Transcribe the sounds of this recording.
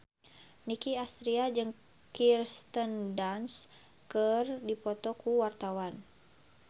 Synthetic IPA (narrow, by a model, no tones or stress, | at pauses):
nikiast̪ɾiad͡ʒɨŋ | kirst̪əndans | kərdipɔt̪ɔkuwart̪awan